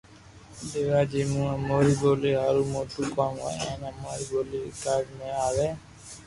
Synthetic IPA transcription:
ɗeːʋaːd͡ʒiːmũːãːmoːɾiːboːleːɦaːɾuːmoːt̪ʰuːkãːŋa̰ẽːnãːmoːɾiːboːlḛːkaːɖmẽːaːʋeː

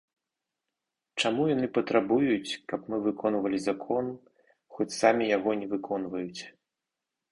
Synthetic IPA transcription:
t͡ʂamujanɨpɐt̪ɾabujut͡sʲkɐpmɨvɨkʰɔnvɐlʲizakʰɔn | xɔt͡sʲsamʲijaɣɔnʲɛvɨkɔnvɐjut͡sʲ

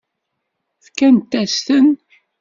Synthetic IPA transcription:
θkænt̪ːæst̪ən

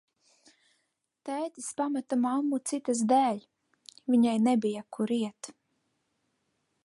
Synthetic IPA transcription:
t̪æːjt̪ispamat̪amamːut̪sit̪as̬d̪æːʎʲ | vʲiɲajnebijakʰuɾiɛt̪

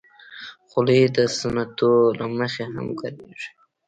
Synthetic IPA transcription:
xʊled̪əsanat̪olaməxeha̰mkaɾiʐi̥

